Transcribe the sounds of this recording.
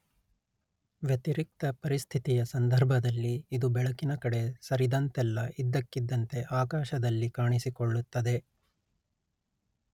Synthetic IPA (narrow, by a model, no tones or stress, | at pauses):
ʋjɐt̪iɾik̚t̪ɐpɐɾist̪ʰit̪ijɐsɐnd̪ʱɐɾbʱɐd̪ɐlːiːd̪ubɛɭɐkinɐkɐɽe̞sɐɾid̪ɐnt̪ɛlːɐʔid̪ːɐkːid̪ːɐnt̪e̞ʔaːkaːʃɐd̪ɐlːikaːɳisikoɭːut̪ːɐd̪e̞